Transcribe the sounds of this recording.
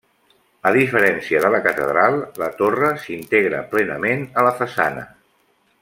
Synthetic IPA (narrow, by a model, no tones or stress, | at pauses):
əðifəɾɛnsiəðələkət̪əðɾalˠlət̪orəsint̪eɣɾə̰plɛnəmenələfəsa̰nə̰